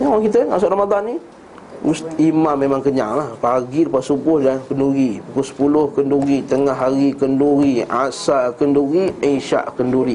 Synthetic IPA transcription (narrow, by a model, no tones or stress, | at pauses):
jaɾaŋkit̪əŋa̰s̬ʊʔramad̪anːi | ust̪imamːemaŋkəɲaŋlahpaɡidəpasubʊhlakənduɣipukʊlsə̥pulʊhkənduɣit̪əŋaɦaɾikənduɾiasakənduɣiinʃa̰ʔkənduɾi